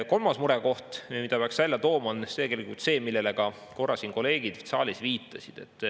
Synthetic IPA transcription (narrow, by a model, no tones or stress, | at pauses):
ko̞lmɑsmuɾɛko̞ht̪mid̪ɑpeɑksvælʲjɑt̪o̞ːmɑonst̪eɡelikult̪se̞ːmilːe̞lekɑ | ko̞rːɑsiːnko̞le̞ːɡ̥id̪̥sɑ̰ːlʲisviːt̪ːˑɑsid̪̥e̞t̪ːˑ